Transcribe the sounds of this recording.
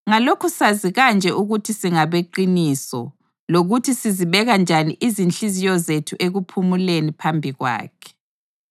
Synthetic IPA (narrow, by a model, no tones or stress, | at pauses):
ŋalokʰusaziɣand͡ʒʱɛʔuɣutʰisiŋaβeǃinisɔ̰ | loɣutʰisiziβɛɣand͡ʒʱaniʔizint͡ɬizijɔzetʰuʔeɣupʰumulenipʰambʱiɣwa̰ːkʰɛ̥